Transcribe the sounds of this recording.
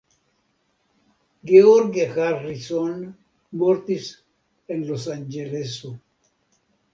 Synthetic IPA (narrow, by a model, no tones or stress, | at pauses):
ɡeoɾɡjaxaɾrison | moɾt̪is | enlosand͡ʒeleso